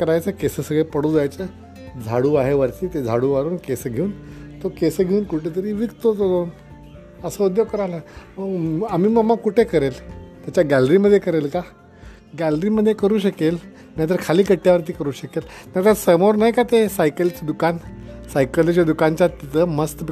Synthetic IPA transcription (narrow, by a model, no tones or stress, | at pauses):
kəɾajt͡səkesəsəɡɭepəɽuːd͡zjajt͡sə | d͡zʱaɽuːaɦeʋəɾt̪iːt̪ed͡zʱaɽuːʋaɾuːnkesəɡʱeuːnt̪okesəɡʱeuːnkuʈʰet̪̬əɾiːʋikt̪ot̪od͡zon | əsəud̪joɡkəɾajlaməam̤iːməɡmːakuʈʰekəɾelt̪jat͡ɕaɡæləɾiməd̪ʱːjekəɾelka | ɡæləɾiːməd̪ʱjekəɾuːɕəkel | najt̪̬əɾkʰaliːkəʈjaʋəɾt̪̬iːkəɾuːɕəkelnajt̪əɾsəmoɾnaɦjkat̪esajkəlt͡ɕed̪ukansajkəlt͡ɕad̪ukaɲt͡ɕjat̪it̪əməst̪